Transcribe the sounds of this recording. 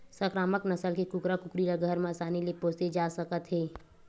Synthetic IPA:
səkɾaːməknɐsəlkekʊkɾakʊkɾiɾaɡʱəɾmãsaːnilepoːsed͡ʒaːsəkət̪ɦɛː

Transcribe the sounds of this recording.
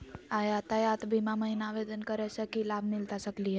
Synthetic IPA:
aɦjat̪ajat̪bʱimaməɦinaʋed̪ənkəɾajsəkilabʱmilt̪asəkliɦe

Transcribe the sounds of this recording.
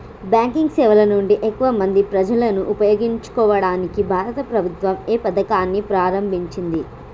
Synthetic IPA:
bjaːŋkiŋɡsɛːʋɐlɐnuɳɖiʔekːuʋɐmɐnd̪ipɾɐd͡ʒɐlɐnuʔupɐjoːɡiɲt͡ʃu̥kɔːʋɐɽaːnikibʱaːɾɐt̪ɐpɾɐbʱut̪ʋɐmeːpɐd̪ɐkaːnːipɾaːɾɐmbʱiɲt͡ʃind̪i

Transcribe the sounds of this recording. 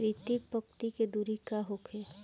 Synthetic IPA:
ɾit̪ipəkt̪iked̪uːɾikaɦokʰeː

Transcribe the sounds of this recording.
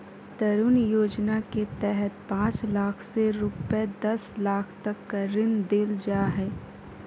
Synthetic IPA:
t̪ɐɾunjoːd͡ʒnaket̪ɛɦɛt̪pãːt͡ʃlaːkʰseɾʊpd̪ɐslaːkʰt̪ɐkːɐɾɪnd̪eːld͡ʒaːɦɛː

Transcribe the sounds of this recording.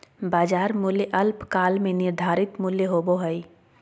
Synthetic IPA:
baːd͡ʒaːɾmʊljʔɐlpkaːlmẽnɪɾd̪ʱaːɾɪt̪mʊljeɦoːboɦəi

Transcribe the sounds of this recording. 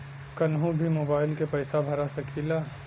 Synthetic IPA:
kɐnɦũbʱimoːbaːɪlkepɐɪsabʱɐɾasɐkʰiːlaː

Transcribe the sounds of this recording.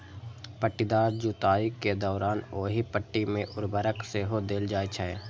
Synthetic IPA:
pəʈːɪd̪aːɾd͡ʒut̪aːiked̪ɔːɾaːnoːɦipəʈːimẽʔʊɾbəɾəkseɦod̪eːld͡ʒaːit͡ʃʰɛe

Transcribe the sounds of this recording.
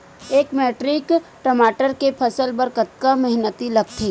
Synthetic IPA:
eːkmeːʈɾɪkʈəmaːʈəɾkepʰɐsəlbəɾkət̪̚kamɛɦnət̪ilɐɡ̚t̪ʰeː

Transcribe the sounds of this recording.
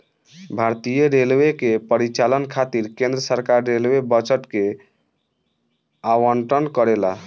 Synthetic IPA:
bʱaɾt̪ijəɾelwekepəɾit͡ʃalənkʰat̪iɾkẽnd̪ɾəsəɾkaɾːelwebət͡ʃəʈke | awəɳʈɾənkəɾela

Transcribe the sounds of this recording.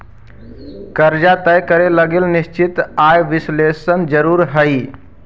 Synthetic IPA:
kəɾd͡ʒat̪əjkəɾeləɡelnɪst͡ʃɪt̪aːjʋɪslesənd͡ʒəɾuːɾɦəi

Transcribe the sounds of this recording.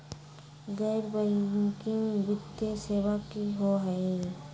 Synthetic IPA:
ɡɛːɾbəikibɪt̪ːeseːʋakiɦoɦɛi

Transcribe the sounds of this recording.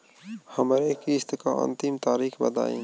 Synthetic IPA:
hɐmaɾekist̪ɪka̰ːʔə̰nt̪imt̪aːɾiːxbɐd̪a̰ːḛ̃ːŋ

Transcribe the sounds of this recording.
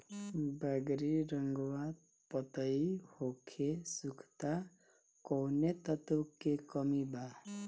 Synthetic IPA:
baɡɾiɾʌŋɡwad̪̚ | pʌt̪ʌihokʰesukʰt̪a | kɔwnet̪ʌt̪okːekʌmiba

